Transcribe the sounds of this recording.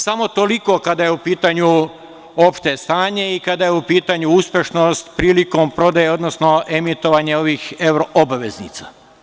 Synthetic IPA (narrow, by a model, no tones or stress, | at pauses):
samo̞t̪o̞liko̞kad̪ajeupiːt̪aɲu | o̞pʃt̪e̞st̪aːɲe̞ikad̪ajeupiːt̪aɲuuspʲjeʃnost̪pɾiːliko̞mpɾo̞d̪ajeo̞d̪no̞sno̞ʔe̞mit̪o̞ʋaɲeo̞ʋiːxe̞wɾoʔobaʋe̞znḭt̪sa